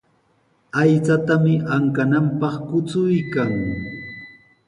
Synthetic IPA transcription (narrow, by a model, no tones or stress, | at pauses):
ajt͡sat̪amɪʔaŋkanampɑχkʊt͡sʊjkaŋ